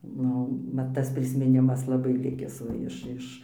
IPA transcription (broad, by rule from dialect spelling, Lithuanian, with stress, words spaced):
ˈnʊ ˈmɐt tɐs pʲrʲɪsʲmʲɪˈnʲɪmɐs lˠɐˈbɐɪ ˈlʲɪkʲɪs ˈʋɐ ɪʃ ˈɪʃ